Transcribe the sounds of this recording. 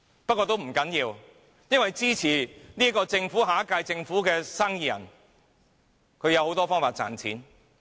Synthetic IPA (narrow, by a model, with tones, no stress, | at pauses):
pɐ˥t̚kʷːɔː˧t̪̬o˥wm̩˨˩kɐ˨˥njiː˧w | jɐ˥nwɐ˨jt͡siː˥t͡sʰiː˨˩niː˥kɔː˧t͡sɪ˧ŋfuː˨˥ɦaː˨˥kaː˧jt͡sɪ˧ŋfuː˨˥kɛː˧saː˥ŋjiː˧˩jɐ̰˨˩n | kʰɵ˨˧ɥjɐ˧who˨˥wt̪ɔː˥fɔː˥ŋfaː˧t̚t͡sa̰ː˨˩nt͡sʰiː˨˥n